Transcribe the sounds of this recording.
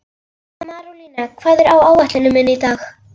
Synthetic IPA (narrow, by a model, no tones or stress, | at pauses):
amaruninakʰv̥aːðɪɾawawaht̪lɪnɪmʏnit̪aːx